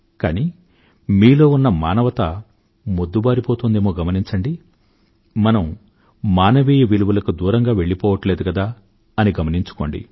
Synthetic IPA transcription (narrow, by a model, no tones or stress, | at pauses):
ka̰ːni | miːlo̞ːunːɐmaːnɐʋɐt̪ɐ | mod̪ːubaːɾipoːt̪uːnd̪eːmoːɡɐmɐniɲt͡ʃɐɳɖi | mɐnɐmː | aːnɐʋiːjɐʋiluʋulɐkud̪uːɾɐŋɡaːʋe̞ɭːipɔːʋɐʈle̞ːd̪ukɐd̪aː | ɐniɡɐmɐniɲt͡ʃu̥ko̞̰ːɳɖḭ